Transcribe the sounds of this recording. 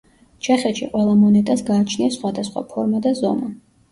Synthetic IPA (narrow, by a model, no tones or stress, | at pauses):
t͡ʃʰɛχɛt̪ʃḭqʼwɛlˠamɔnɛt̪ʼasɡaːt͡ʃʰniasχwad̪asχwa̰pʰɔɾmad̪azɔna